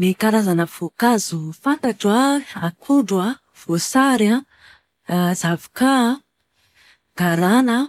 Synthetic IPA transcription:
mikaɾazanəv̥okazufant̪aʈ͡ʂaakʰuɖ͡ʐwa | v̥osaɾa | zavi̥ka | ɡ̥aɾanə

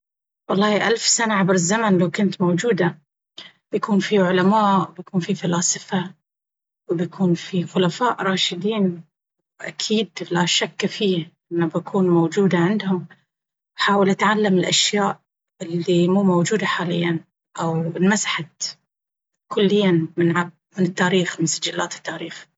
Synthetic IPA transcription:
wɑlˤːɑːʔalfsanaʕabɾɪzːamanlawkʊnt̪mowd͡ʒuːd̪a | b̥jakuːnfiʕʊlamaːʔbjakuːnfifalɑːsˤɨfa | wɪbjakʰuːnfixʊlafaːʔɾˤɑːʃɪd̪iːn | wʔa̰kʰiːd̪laʃakːfiːhʔɪnːabakʰuːnmowd͡ʒuːd̪aʕɪnd̪hʊm | ħaːwɪlʔat̪ʕalːamɪlʔaʃjaːʔ | ɪlːimuːmowd͡ʒuːd̪aħaːlɪ̰jːan | ʔawɪlmasḁħa | kʊlːɪjːamɪnʕab | mɪnɪt̪ːaːɾiːxmɪnsad͡ʒalːaːt̪ɪ̥t̪ːaːɾiːx

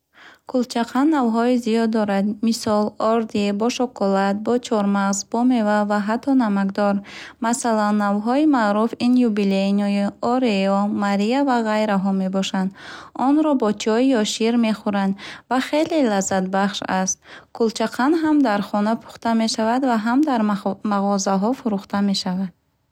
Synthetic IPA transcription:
kʰult͡ʃʰaqʰanːavɦɔizijɔd̪ːɔɾad̪misɔlɔɾd̪ibɔʃɔkʰɔlat̪̚bɔt͡ʃʰɔɾmaʁzbɔme̞vavaɦat̪ʰːɔnamaɡd̪ɔɾmasalanːavɦɔimaːɾufinjubilenɔiɔɾeɔmaɾiavaʁajɾaɦɔme̞bɔʃand̪ɔnɾɔbɔt͡ʃʰɔijɔʃiɾme̞χuɾand̪vaχe̞lelazːat̪baχʃast̪̚kʰult͡ʃʰaqʰanɦamd̪aɾχɔnapʰu̥χt̪ame̞ʃavad̪vaɦamd̪aɾmaʁɔzaɦɔfuɾuχt̪ame̞ʃavad̪̥̚

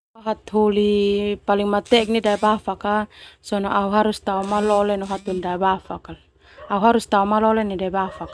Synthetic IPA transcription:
ɔɦat̪ɦulipaliŋmat̪ɛk̚nidaibafakasɔnɔʔauɦaɾust̪aumalɔlɛnɔɦat̪hulidaɛbafakal | auɦaɾust̪aɔmalɔlɛnidaɛbafak

